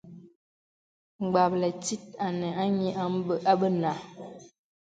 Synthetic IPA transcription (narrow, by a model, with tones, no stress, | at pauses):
ŋ͡mɡ͡ba˨p̚lɛ˨ti˦t̚a˨nɛ˨a˦ɲi˦ʔa˦m˦bə˦ʔa˦ɓə˦na˨